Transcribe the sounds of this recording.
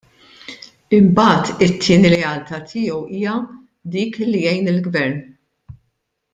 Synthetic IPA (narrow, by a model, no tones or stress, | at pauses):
ɪmbɐːt̪ɪt̪ʰːɪːniɾɛɐlt̪ɐt̪ʰɪːɔwiːjɐ | d̪iːklːijɛjnɪlɡvɛɾn